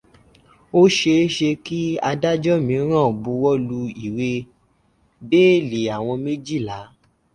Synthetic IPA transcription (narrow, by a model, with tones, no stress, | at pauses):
o˦ʃe˧˦ʃe˧ki˦a˧da˦d͡ʒɔ˦mĩ˨˧˦ɾ̃ã˦˨bu˨˧˦wɔ˦lu˧i˦˨we˧ | be˦˨li˨a˨w̃ɔ̃˧me˦d͡ʒi˦˨la˨˦